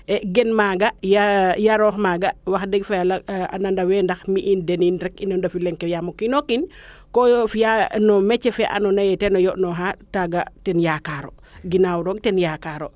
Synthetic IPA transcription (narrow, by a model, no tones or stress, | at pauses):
ɛɡɛnmaːɡajajaɾɔːxmaːɡawaxdɛɡfɛalaa̰nandawɛndaxmiʔindɛninɾɛkinɔndafilɛŋkːɛjamokinokin | kɔjɔfijanɔmɛt͡ʃːɛfɛʔa̰nɔnajɛtɛnɔjɔʔnɔɦataɡatɛnjakaɾo | ɡinawɾɔɡtɛnjakaɾo